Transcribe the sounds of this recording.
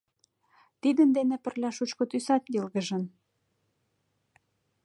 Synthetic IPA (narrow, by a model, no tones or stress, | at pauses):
t̪id̪ə̆nd̪enepə̆rlʲɑʃut͡ɕkŏt̪ysɑt̪jelɣə̆ʒə̆n